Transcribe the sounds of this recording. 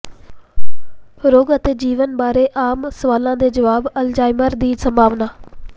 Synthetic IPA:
ɾoːɡət̪eːd͡ʒiːʋənbaːɾeːʔaːmsəʋaːlãːd̪eːd͡ʒəʋaːbəld͡ʒaːɪməɾd̪iːsəmbʱaːʋnaː

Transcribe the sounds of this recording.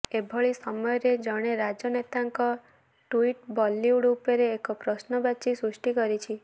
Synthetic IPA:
ebʱɔɭisɔmɔjɔɾed͡ʒɔɽ̃eɾad͡ʒɔnet̪aŋkɔ | ʈuiʈbɔlːiuɽupeɾeːkɔpɾɔsnɔbat͡ʃisɾusʈikɔɾit͡ʃʰi

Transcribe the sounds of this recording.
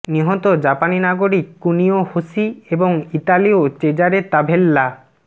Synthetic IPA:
niɦɔt̪od͡ʑapaninaɡoɾikːuniohosieboŋiʈaliot͡ɕed͡ʑaɾet̪abʱelːa

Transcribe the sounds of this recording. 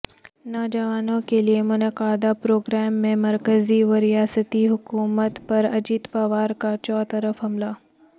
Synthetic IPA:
nɔːd͡ʒɐʋaːnõkeliemʊnəqaːd̪apɾoːɡɾɛːmːẽmɐɾkəziʋɐɾijaːsət̪iɦʊkuːmət̪pɐɾɐd͡ʒit̪paːʋaːɾkat͡ʃɔːt̪ɐɾəfɦɐmlaː

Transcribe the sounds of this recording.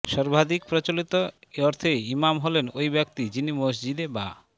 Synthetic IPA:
ʃɔɾbʱad̪ik̚pɾot͡ɕolit̪oeɔɾt̪ʰeimamɦolenojbɛk̚t̪id͡ʑinimos̬d͡ʑid̪eba̰

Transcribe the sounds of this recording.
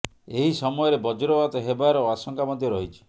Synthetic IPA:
eɦisɔmɔjɔɾebɔd͡ʒɔɾɔbat̪ɔɦebaɾɔoasɔŋkamɔd̪ʱjɔɾɔɦit͡ʃʰi̥

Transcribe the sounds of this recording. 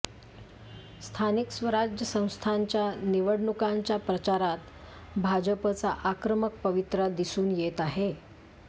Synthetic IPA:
st̪ʰaniksʋəɾad͡ʑjəsə̃w̃st̪ʰaɲt͡ɕjaniʋəɽɳukaɲt͡ɕjapɾət͡ɕaɾat̪ | bʱad͡ʑəpət͡saʔakɾəmək̚pəʋit̪ɾəd̪isuːnjet̪aɦe

